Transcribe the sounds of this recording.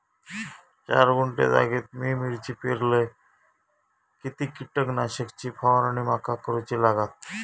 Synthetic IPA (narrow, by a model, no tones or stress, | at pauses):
t͡ɕa̰ɾɡuɳʈḛɾa̰ɡit̪̚mimiɾt͡ɕipeɾle | kit̪ikiʈəknaʃəkt͡ɕʰipʰawaɾanimakʰakoɾut͡ɕʰilaɡat̪̚